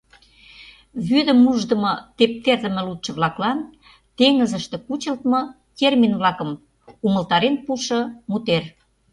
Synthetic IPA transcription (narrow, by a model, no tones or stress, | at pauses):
βyd̪ə̆muʒd̪ə̆mɤt̪ep̚t̪erd̪ə̆mə̆lut̪ʃə̆βlɑklɑn | t̪eŋəzəʃt̪ĕkut͡ɕə̆lt̪mɤ̆ | k̪erminβlɑkə̆m | umə̆lt̪ɑɾenpuʃɤ̆mut̪er